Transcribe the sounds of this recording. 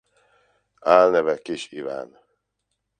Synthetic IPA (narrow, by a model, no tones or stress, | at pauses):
aːlnɛvɛkiʃiva̰ːn